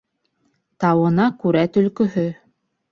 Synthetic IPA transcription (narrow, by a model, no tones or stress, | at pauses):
t̪ɑwɤ̆nɑkʉɾæt̪ɵ̆lkɵ̆ɦɵ